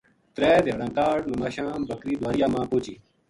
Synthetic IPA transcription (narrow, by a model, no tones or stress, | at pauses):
t̪ɾeːd̪eɐɽãːkaːɽnũmaːɕãːbɐkɾiːd̪waːɾijaːmãːpoːt͡ɕiː